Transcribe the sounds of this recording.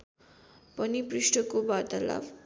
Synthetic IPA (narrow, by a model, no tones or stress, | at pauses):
pʌnipriʂʈʌkobad̪ala̰b